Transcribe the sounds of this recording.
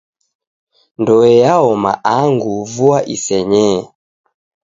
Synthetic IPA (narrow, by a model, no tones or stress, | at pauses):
ndɔɛjaɔma̰ʔaŋɡuvuaʔisɛɲɛ